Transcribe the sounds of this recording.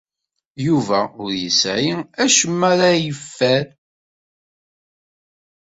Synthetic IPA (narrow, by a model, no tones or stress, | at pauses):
juvæʊɾjəsʕiæʃəmːæɾajəfːæɾ